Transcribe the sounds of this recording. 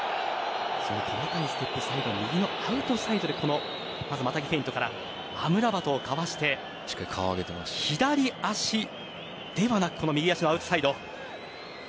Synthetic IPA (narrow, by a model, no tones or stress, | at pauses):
sonokʰonok̪anosɨ̥t̪e̞pːɯ̟said̪omʲiɡʲino̞aɯ̟t̪o̞said̪o̞d̪e̞ko̞no̞ | mazɨmat̪aɡʲipe̞ĩnt̪o̞kaɾa̰ | amɯ̟ɾabat̪o̞ːkaβaɕi̥t̪e̞ | t͡ɕi̥kːaikʰa̰βaɡet̪ema̰çid̪aɾʲiaɕi | d̪̥e̞βanakɯ̟̥ko̞no̞mʲiɡʲiaɕinoaɯ̟t̪o̥said̪o̞